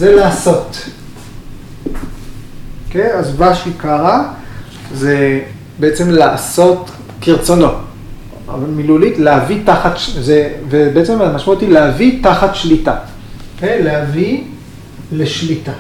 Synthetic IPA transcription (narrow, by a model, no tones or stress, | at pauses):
zelaːso̞t | keazvaʃikaʁa | ze | beet͡se̞mlaːso̞t | kiʁt͡so̞no̞ | milulit̪leavitaχat̪ʃzevebeet͡se̞matamaʃmaot̪ilehavit̪aχat̪ʃlita | okejlehavi | le̞ʃlita